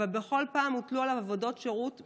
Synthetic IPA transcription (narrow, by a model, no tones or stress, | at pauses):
albeχo̞lpaːmutlualavavo̞do̞tʃeʁut